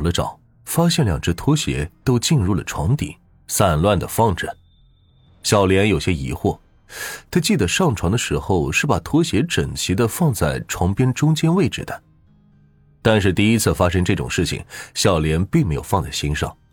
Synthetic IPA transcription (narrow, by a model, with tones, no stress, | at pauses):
ʊlə˦ʈ͡ʂɑ̰˨˩˦ʊ | fa˥ɕjɛ˥˩nljɑ̰˨˩ŋʈ͡ʂ̩˥˩t̪ʰwɔ˥ɕjɛ̰˧˥t̪o˥ʊt͡ɕi˥˧nɻu˥˩lə̰˩ʈ͡ʂʰwɑ̰˧˥ŋt̪ḭ˨˩˦ | sa˥˩nlwa˥˩nd̪ə˩fɑ˥˩ŋʈ͡ʂə˨˩˦n | ɕjɑ˨˩ʊljɛ˧˥njo˨˩ʊɕjɛ˥ḭ˧˥xwɔ˥˩ | t̪ʰa˥t͡ɕi˥˩d̪ə˩ʂɑ˥˩ŋʈ͡ʂʰwɑ˧˥ŋd̪ə˧ʂɻ̩˧˥xo˥˧ʊʂɻ̩˥˩pa˨˩t̪ʰwɔ˥ɕjɛ˧˥ʈ͡ʂə˨˩ŋt͡ɕʰi˧˥d̪ə˧fɑ˥˧ŋt͡sa˥˩ɪʈ͡ʂʰwɑ˧˥ŋpjɛ˥nʈ͡ʂʊ˥ŋt͡ɕjɛ˥nwe˥˩ɪʈ͡ʂɻ̩˨˩d̪ə˦ | t̪a˥˧nʂ̬ɻ̩˥˧t̪i˥˩i˥t͡sʰɹ̩˥˩fa˥ʂɤ˥ŋʈ͡ʂɤ˥˩ʈ͡ʂʊ̰˨˩ŋʂɻ̩˥˩t͡ɕʰḭ˨˩ŋɕjɑ˨˩ʊljɛ˧˥npi˥˩ŋme˧˥ɪjo˨˩ʊfɑ˥˧ŋt͡sa˥˩ɪɕi˥ŋʂɑ̰˥˩ŋ